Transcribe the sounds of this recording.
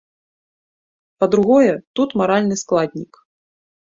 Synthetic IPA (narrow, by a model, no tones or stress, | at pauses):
pɐd̪ɾuɣɔjɛt̪ut̪maɾalʲnɨsklˠad̪ʲnʲik